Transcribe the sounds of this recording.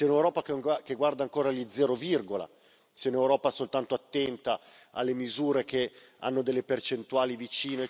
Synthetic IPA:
siunewɾɔːpakakeɡward̪aŋkoːɾalid̪zːɛːɾovirɡola̰ | siaunewɾɔːpasolt̪ant̪oat̪ːɛnt̪a | a̰lːemizuːɾeke | a̰nːod̪elːepert͡ʃent̪uaːlivit͡ʃiːno

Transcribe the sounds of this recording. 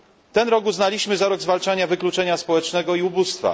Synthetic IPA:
t̪ɛnɾɔɡuznalʲiɕmɘzaɾɔɡzvalt͡ʂaɲavɘklut͡ʂɛɲaspɔwɛt͡ʂnɛɡɔiubust̪fa̰

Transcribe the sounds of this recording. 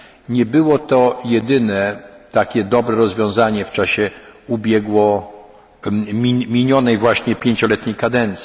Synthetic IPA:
ɲɛbɘwɔt̪ɔjɛd̪ɘnɛt̪akʲɛd̪ɔbɾɛɾɔzvʲjɔ̃w̃zaɲɛft͡ʂaɕɛubʲjɛɡwɔ | mʲimʲiɲɔnɛjvwaɕɲɛpʲjeɲt͡ɕɔlɛt̪ɲejkad̪ɛnt̪sʲ

